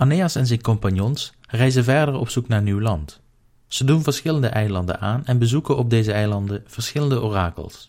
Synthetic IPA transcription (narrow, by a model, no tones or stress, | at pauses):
ʔanejɑsɛnzɛjnkɔmpɑnjɔns | rɛjzənvɛɹdəɹɔ̰psuknaːɹniwlɑnt | z̥ədunvəɹsχɪləndəʔɛjlɑndə̰nʔaːnɛnbəzukənɔb̚dejzəɛjlɑndəv̥əɹsχɪləndəʔoːraːkə̰lˠs